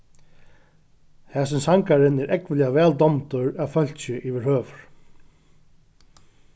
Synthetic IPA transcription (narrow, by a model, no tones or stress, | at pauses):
hɛːsɪnsaŋkaɾɪnɛɾʔɛkʋɪliavɛːld̪ɔmt̪ʊɹafœl̥t͡ɕɪʔivɪɹhøːvʏɹ̥